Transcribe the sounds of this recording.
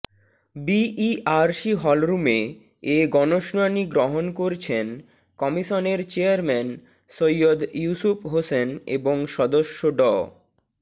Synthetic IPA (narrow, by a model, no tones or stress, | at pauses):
biiaɾʃiɦɔlɾume | eɡɔnoʃnɔjniɡɾoɦonkoɾt͡ɕʰen | kɔmiʃoneɾt͡ɕeaɾmɛn | sojod̪jusupʰɦosenḛboŋʃɔd̪oʃːoɖɔ